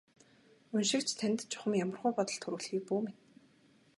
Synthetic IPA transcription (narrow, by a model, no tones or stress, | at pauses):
unʃɪ̆kt͡ɕʰt̪ʰænʲt̪t͡ɕʰʊ̥χə̆mjamə̆rʁʊːjpɔt̪ɞ̆ɮt̪ʰɵɾŭːɮxiːk̚puːmet̪